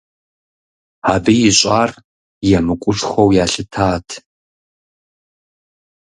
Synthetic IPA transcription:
aːbijɪɕʼaːr | jɛmɨkʷʼʊʈ͡ʂʼxʷɐwjaːɬɨtʰaːtʰ

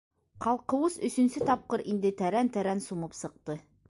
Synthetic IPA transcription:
qɑlˠqɤ̆wɤsɵ̆sɵ̆nsɘt̪ɑp̚qɤɾind̪ɘt̪æɾænt̪æɾænsumɤpsɤ̆q̚t̪ɤ

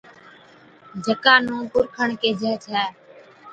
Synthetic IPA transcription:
d͡ʒʱəkaːnũːkʊɾkʰəɳkeːd͡ʒʱɛːt͡ʃʰaː

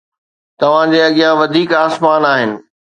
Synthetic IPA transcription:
t̪ɐʋ̤ãd͡ʑeːɐɠijãʋɐd̪ʱiːkaːsmaːnaːɦɪnɪ̆

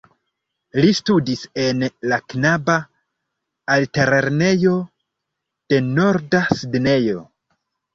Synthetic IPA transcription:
listudise̞nlaknabaː | lte̞ɾeɾne̞jo̞ | d̥e̞no̞ɾdasidne̞jo̞

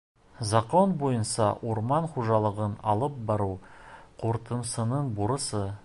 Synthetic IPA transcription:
zɑqo̞nbojənsɑwoɾmɑɴχuʒɑlˠəʁənɑlˠəp̚bɑɾuqʰoɾt̪əmsənəɴbuɾəsə

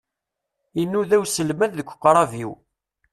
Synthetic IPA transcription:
inːuðæwsəlmæððəkʷːqːɾˤɑviw

